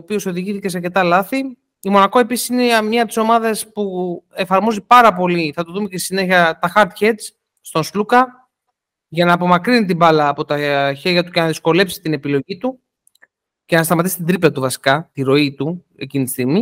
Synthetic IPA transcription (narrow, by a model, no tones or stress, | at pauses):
opio̞so̞ðiʝiθice̞seɐɾce̞t̪ɐlɐθi | imo̞nɐkoe̞pisi̥sinemɲɐɐp̚t̪iso̞mɐðɐspue̞fɐɾmo̞zipɐɾɐpo̞liθɐt̪uðumecest̪isine̞çɐt̪ɐxɐɾt̪çet͡s | st̪o̞nslukɐ | ʝɐnɐːpo̞mɐkɾinit̪̬ibɐlɐːpo̞t̪ɐçe̞ɾʝɐt̪ucenɐðisko̞le̞psi̥t̪ine̞pilo̞ʝit̪u | ce̞nɐst̪ɐmɐt̪isi̥t̪d̪ɾiplɐt̪uvɐsi̥kɐt̪iɾo̞it̪u | e̞cinit̪isθimi